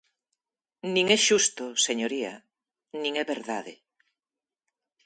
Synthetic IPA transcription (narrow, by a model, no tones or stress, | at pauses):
nĩŋɛʃust̪oseɲoɾiɐ̰ | nĩŋɛβeɾðaðḛ